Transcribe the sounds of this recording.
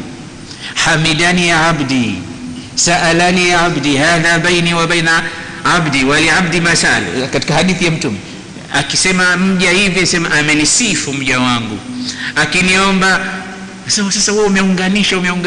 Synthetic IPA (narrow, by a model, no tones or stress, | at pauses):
hamidanijaabdi | saʔalanijaabdihaðabainiwaɓajna | abdiwaliʕab̚dimaθa̰l̰kati̥kahaɗiθijam̩tumɛ | akisɛmam̩ʄahivianisɛmaʔamɛnisifum̩ʄawaŋɡṵakiniaɔmba | asɛmasasauɔumɛuŋɡaniʃaumɛuŋɡ